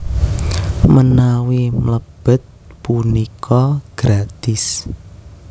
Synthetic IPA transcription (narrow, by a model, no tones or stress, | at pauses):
mənawimləb̥ə̤t̪̚punikʰɔɡ̥ɾat̪ɪs